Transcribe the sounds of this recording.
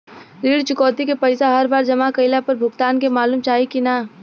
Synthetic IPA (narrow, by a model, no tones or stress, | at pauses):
ɾiːɽt͡ʃʊkɔːt̪ikepɐɪsaɦɐɾbaːɾd͡ʒɐmakɐɪlapɐɾbʱʊɡt̪aːnkemaːluːmt͡ʃaːɦikina